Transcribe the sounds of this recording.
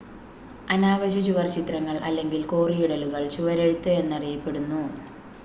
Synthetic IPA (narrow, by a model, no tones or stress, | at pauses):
ɐnaːʋɐɕɐt͡ɕuʋɐrt͡ɕit̪rɐŋːɐɭʔɐlːe̞ŋɡilkoːrijuɽɐluɣɐɭt͡ɕuʋɐɾe̞ɽut̪ːɨe̞nːɐrijɐpːe̞ɽunːu